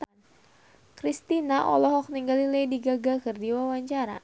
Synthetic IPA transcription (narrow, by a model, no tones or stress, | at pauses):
n | kɾist̪inaʔɔ̰lɔɦɔk̚niŋɡalilejdiɡaɡakɨrdiwawaɲt͡ʃaɾa̰